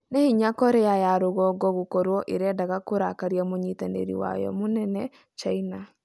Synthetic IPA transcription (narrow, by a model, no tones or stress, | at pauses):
nehiɲakɔɾejajaɾoɣɔɡɔɣokɔɾwɔʔeɾɛːdaɣakoɾakaɾiamoɲitanḛɾḭwa̰jɔ̰monɛnɛ | t͡ʃaina